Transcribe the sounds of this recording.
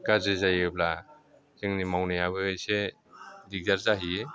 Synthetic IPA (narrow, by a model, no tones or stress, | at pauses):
kazezajɯbla | z̥ɯŋnimawnajabɯjse | diɡ̚daɾzaɦie